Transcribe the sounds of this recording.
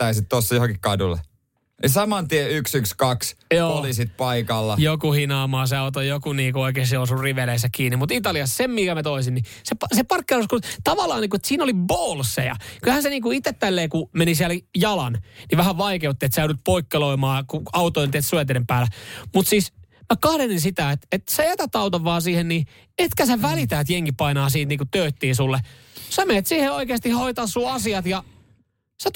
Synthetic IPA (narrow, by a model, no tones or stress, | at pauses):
æisit̪t̪osːɑjohoŋkikkɑdulːḛ | nisɑmɑnt̪ieyksykskɑksjoːolisit̪̚pɑikɑlːɑjokuhinɑːmɑːseɑot̪ojokuniːkuoikeːseosurriʋelesækiːnimmut̪it̪ɑliɑssemmikæmæt̪oisinni | sepɑsepɑrkːeuskut̪ɑʋɑlːˑɑːniːŋkuet̪siːnoliboːlsːḛjɑ̰kylhænseniːŋkuit̪ːet̪t̪ælːeːkumenisiæljɑlɑ̰nniʋæhæʋɑikeut̪ːiet̪sæyɾyt̪̚poikːeloimɑːkuɑut̪oint̪et̪suet̪eɾempæːlæmut̪siːsmækɑhɾeninsit̪æet̪et̪sejæt̪æt̪ɑut̪ɑʋːɑːsiːhenni | et̪kæseʋælit̪æet̪jeŋkipɑinɑːsiːnt̪niːkut̪øːt̪ːiːsulːesɑmeet̪siːheoikeːst̪ihhoit̪ɑːssuːɑsiɑt̪jɑ | set̪